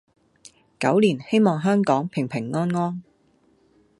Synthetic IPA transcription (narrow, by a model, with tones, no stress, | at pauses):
kɐ˨˥wliː˨˩nhe˥jmɔː˨˩ŋɦœː˥ŋkɔː˨˥ŋpʰɪ˨˩ŋpʰɪ˨˩ŋːɔː˥nŋɔː˥n